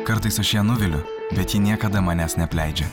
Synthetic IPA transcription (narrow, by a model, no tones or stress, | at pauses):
kɐɾt̪ɐɪsɐʃjiɛnʊʋʲɪlʲʊ | bʲɛt̪jiːnʲiɛkɐd̪ɐmɑːnʲæːsnʲɛpʲlʲɛɪd͡ʒʲɛ